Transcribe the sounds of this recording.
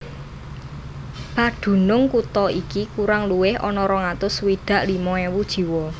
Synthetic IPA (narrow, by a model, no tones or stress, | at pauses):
paɖ̪̥ṳnʊŋkut̪ɔikikuɾaŋluwɪhʔɔ̰nɔɾɔŋat̪ʊswid̪̥a̤ʔlimɔewud̥ʒ̥i̤wɔ